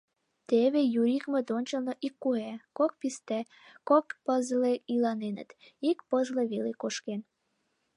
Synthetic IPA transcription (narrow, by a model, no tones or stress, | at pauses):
t̪eβejuɾikmə̆d̪onʲt͡ɕəlnoʔikːuɦekok̚pist̪æ | kokpəzleilɑnenə̰t̪ | ikpəzleβelekoʃken